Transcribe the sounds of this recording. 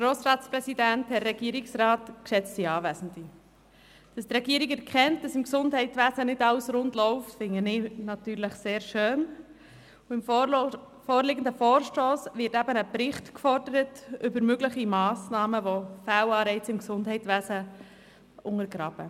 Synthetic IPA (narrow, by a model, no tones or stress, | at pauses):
ɡ̥ɾoːsɾɑːtspɾɛsidænt̚hɛɾːɛɡiəɾɪksɾɑːtkʃɛt͡stiɑːvæːzn̩di | d̥ɑst̪ɾɛɡiəɾikɛɾkχɛntd̥ɑsɪmksʊndɦɛɪtʋæsənɪdɑwsɾʊndlɔʊftfɪŋənɪnɑtyːɾləχseːɾʃøːn | uɪm | foːɾlɪɡən̩dəfɔːɾʃtoːsʋɪɾtæbənəpɾɪχtkfɔɾdəɾətʏbəɾmøɡləχimɑːsnɑːməvofæwɑːɾɛɪt͡sɪmksʊndɦɛɪtʋæːzə | ʔʊŋəɾɡɾɑːb̥ə